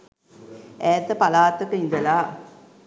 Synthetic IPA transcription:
ɛːt̪ːəpalaːt̪ːəkəind̪əla

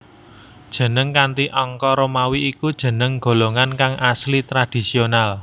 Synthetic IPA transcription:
d̥ʒ̥ə̤nəŋkant̪iʔɔŋkɔɾomawiʔikud̥ʒ̥ə̤nəŋɡ̥o̤loŋankaŋaslit̪ɾad̥i̤sional

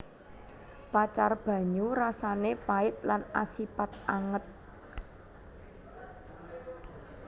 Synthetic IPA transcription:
pat͡ʃarb̥ä̤ɲurasanepaɪt̪̚lanasipat̪̚aŋət̪̚

